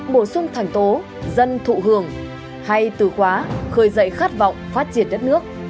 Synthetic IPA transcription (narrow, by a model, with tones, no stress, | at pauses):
ɓo˧˩sʊ˧ŋ͡mt̪ʰa˨˩jŋ̟t̪o˨˦ | zə˧nt̪ʰṵ˧˨ɦɨ˧˩əŋ | ha˧jt̪ɨ˧˩xwaː˨˦xəː˨˩jzə̰˧˨jxaː˦˥t̚vɔ̰˧˨wŋ͡mfaː˦˥t̚t͡ɕi˧˩ənɗə˦˥t̚nɨ˦˥ək̚